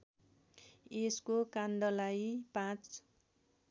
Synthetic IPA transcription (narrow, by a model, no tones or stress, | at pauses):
eskokand̪ʌlajpãt͡s